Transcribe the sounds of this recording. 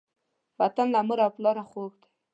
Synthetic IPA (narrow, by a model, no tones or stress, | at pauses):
wat̪anlaməɾaplɑɾaxoɡd̪ḁ